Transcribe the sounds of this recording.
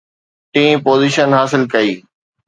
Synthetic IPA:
ʈĩːmpoːziʃənɦaːsɪlkɐiː

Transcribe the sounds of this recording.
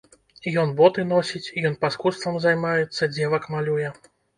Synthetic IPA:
ijɔnbɔt̪ɨn̪ɔsʲit͡sʲijɔnpɐskust̪vɐmzajmajɛt̪sːɐd͡zʲɛvɐkmalʲujɛ

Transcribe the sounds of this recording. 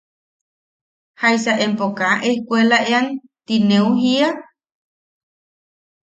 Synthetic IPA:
hajsaʔempokaʔehkʷelaʔean | t̪inẽuhia

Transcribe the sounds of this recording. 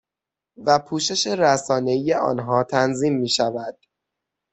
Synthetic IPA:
væpʰuːʃe̞ʃe̞ɾæsɒːne̞ije̞ɒ̰ːnɦɒːt̪ʰænziːmːiːʃævæd̪̥

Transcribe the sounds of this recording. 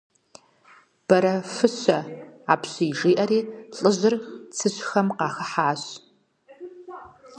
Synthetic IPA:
b̥ɐɾɐfɨɕɐaːpɕiːʒiːʔɐɾiːɬʼɨʑɪrt͡sʰɨɕxɐmqɑːxɐħaːɕ

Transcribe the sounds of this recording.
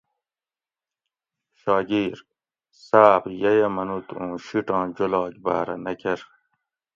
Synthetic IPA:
ɕɑːɡiːɾ | saːbjɐjɐmɐnut̪õːɕiʈɑ̃ːd͡ʑolɑːkba̰ːɾɐ̰nɐkʰeɾ

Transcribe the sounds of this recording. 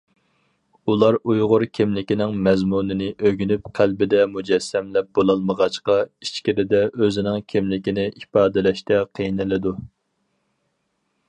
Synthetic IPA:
ulˠɑɾujʁʊɾkʲʰɪmlɪkʲinɪŋmɛzmunɪnɪʔøɡʲynyp̚qʰælbɪd̪ɛmud͡ʒɛsːɛmlɛp̚bolˠɑlˠməʁɑt͡ʃqɑit͡ʃkʲiɾɪd̪ɛøzɪnɪŋkʲʰɪmlɪkʲinɪʔipɑːd̪ɪlɛʃt̪ɛqʰəjnɪlɪd̪u

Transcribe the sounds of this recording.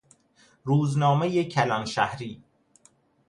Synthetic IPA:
ɾuːznɒːmejecʰælɒnʃæhɾiː

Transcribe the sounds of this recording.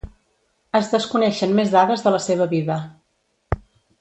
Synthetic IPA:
əzðəskunɛʃənmezðaðəzðələseβ̞əβiðə

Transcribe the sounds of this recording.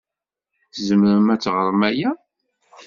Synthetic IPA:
θzəmɾəmæt͡sːʁəɾˤmæjæ

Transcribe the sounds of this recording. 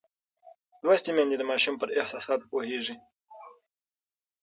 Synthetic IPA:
d̪wast̪imand̪id̪əmɑʃumpəɾɪhsɑsɑt̪poheʐi

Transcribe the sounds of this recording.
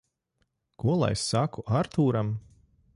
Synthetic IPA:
kuɔlˠa̰jsakuʔaɾt̪uːɾam

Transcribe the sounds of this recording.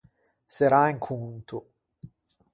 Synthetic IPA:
seɾaiŋkʰunt̪u

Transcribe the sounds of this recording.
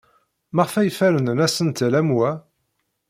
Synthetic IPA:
məʁfæjfæɾənnæsənt̪læmwæ

